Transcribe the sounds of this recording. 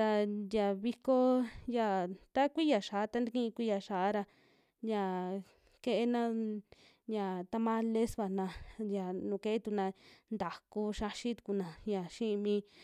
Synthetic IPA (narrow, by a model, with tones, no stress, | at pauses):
t̪a˧ja˨βi˧ko˦ja˨t̪a˦kʷi˦ja˨ʃa˨a˦t̪a˦nd̪i˧kĩ˦˧kʷi˦ja˧ʃa˨ʔa˦ɾa˧ | ja˧˨ | ke˧ʔe˦nã˦ | ja˨t̪a˧mã˦le˦sβa˨nã˧ja˨nũ˨ke˦ʔe˦t̪u˧˨nã˧nd̪a˨ku˧ʃa˧ʃi˦t̪u̥˧ku˧˨nã˨ja˨ʃĩ˦˧mĩ˧